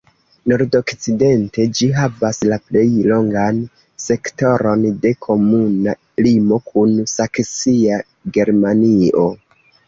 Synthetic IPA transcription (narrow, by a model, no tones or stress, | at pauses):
noɾdo̞kt͡side̞nte̞d͡ʒiɦavaslaple̞jlo̞ŋɡan | se̞kto̞ɾo̞nde̞kʰo̞muna | limo̞kʰunsaksia | ɡe̞ɾmanio